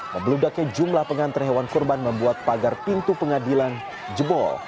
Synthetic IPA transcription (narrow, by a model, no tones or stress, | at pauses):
məmbəludakad͡ʒumlahpəŋant̪ərɦewankurbanməmbuat̪̚paɡarpint̪upəŋadilan | d͡ʒəbɔ̰l